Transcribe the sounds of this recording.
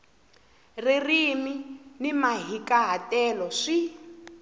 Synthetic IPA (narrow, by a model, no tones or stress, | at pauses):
ririminimaɦikaɦatɛlɔʂi